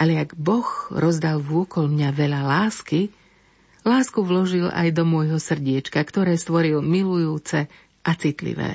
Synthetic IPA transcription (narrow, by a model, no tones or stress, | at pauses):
ʔaʎɛaɡbɔxɾɔzd̪alʋʊɔkɔlmɲaʋɛʎalaːski | laːskuʋlɔʒila̰jd̪ɔmʊɔjɦɔsr̩ɟɪɛt͡ʃkakt̪ɔɾɛːst̪ʋɔɾilmilujuːt͡sɛ | ʔat͡sit̪lḭʋɛ̰ː